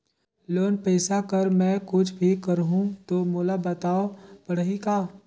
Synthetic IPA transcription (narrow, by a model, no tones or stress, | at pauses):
loːnpɛːsakəɾmɛ̃kʊt͡ʃʰbʱikəɾɦũt̪oːmoːlabət̪aːopəɽ̤ɦikaː